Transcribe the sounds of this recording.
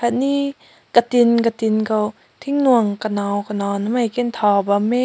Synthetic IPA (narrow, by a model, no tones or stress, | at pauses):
kaniː | kat̪inkat̪inkaw | t̪ʰiŋnuəŋkanɔwkanɔːnamajkent̪ʰɔːbamɛ